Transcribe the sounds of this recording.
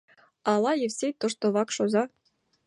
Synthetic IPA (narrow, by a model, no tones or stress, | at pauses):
ɑlˠɑjĕwsʲet̪ŏʂt̪ŏβɑkʃozɑ